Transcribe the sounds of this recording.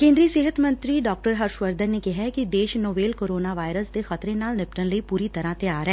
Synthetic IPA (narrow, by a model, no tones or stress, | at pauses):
kẽːnd̪ɾiːseːɦət̪mə̃nt̪ɾiːɖɔːk̚ʈəɾɦəɾʃʋəɾd̪əɾneːkɪɦɛːkɪd̪eːʃnoːbeːlkoːɾoːnaːʋaːɪɾəsd̪eːxət̪ɾẽːnaːlnɪpʈənləiːpuːɾiːt̪əɾãːt̪eaːɾɦɛː